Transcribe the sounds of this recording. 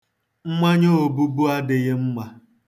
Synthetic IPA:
ŋ͡m̩˦mʷa˦ɲo˦o˨bu˦bu˦a˦dɪ˨ɣɪ˦m̩˦mʷa˦

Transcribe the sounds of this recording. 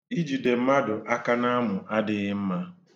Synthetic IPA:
i˦d͡ʒi˨de˨m̩˦ma˦dʊ˨ʔa˦ka˦na˦a˦mʊ˨ʔa˦dɪ˦ɣɪ˦m̩˦ma˦

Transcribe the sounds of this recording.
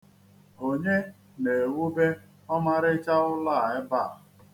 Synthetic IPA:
o˨ɲe˦ | ne˨wu˦be˦ | ɔ˦ma˦ɾɪ˦t͡ʃa˦ʊ˦la˦˨ɪ˦ba˦˨

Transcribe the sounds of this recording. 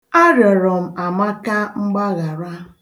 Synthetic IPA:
a˦ɾjɔ˨ɾɔ˨m̩˨a˨ma˦ka˦ŋ͡m̩˦ɡ͡ba˦ɣa˨ɾa˦

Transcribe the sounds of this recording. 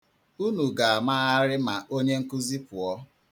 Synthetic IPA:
u˦nu˨ɡa˨a˨ma˦ɣa˦ɾɪ˦ma˨ʔo˦ɲe˦ŋ̩˦kʊ˦zi˦pʊ˨ɔ˦

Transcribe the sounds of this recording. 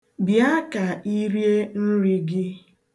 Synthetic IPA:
bja˦ka˨i˦ɾje˦n̩˦ɾi˦ɡɪ˦

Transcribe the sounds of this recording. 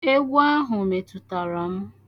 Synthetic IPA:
e˦ɡʷu˦a˦ɦʊ˨me˨tu˨ta˨ɾa˨m̩˦

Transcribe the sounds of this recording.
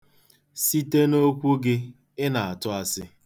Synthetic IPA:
si˦te˦no˦kʷu˦ɡɪ˦ | ɪ˦na˨a˨tʊ˦a˨sɪ˦

